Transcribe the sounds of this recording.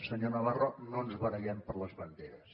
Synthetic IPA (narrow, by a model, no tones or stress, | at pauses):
səɲonəβaronoənzβəɾəɣɛmpəɾləzβənd̪eɾəs